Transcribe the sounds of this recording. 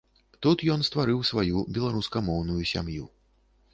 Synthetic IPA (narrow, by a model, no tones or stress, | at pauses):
t̪ut̪jɔnst̪vaɾɨwsvajubʲɛlˠaɾuskɐmɔwnujusʲa̰mjṵ